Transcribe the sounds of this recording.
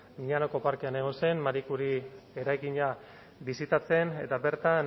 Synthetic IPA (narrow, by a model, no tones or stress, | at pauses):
miʎanoko̞paɾke̞ane̞ɣ̞o̞nse̞nmaɾikuɾie̞ɾajkiɲa | bisit̪at͡se̞ne̞t̪abe̞ɾt̪an